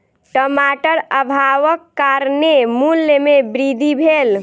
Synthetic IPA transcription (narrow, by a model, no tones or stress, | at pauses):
ʈəmaʈəɾəbʱaʋəkːaɾnemulːemebɾid̪ʱibʱel